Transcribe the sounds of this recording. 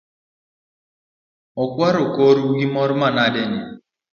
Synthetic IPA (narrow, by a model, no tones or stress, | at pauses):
ɔkwaɾokɔɾɡimɔɾmanadɛni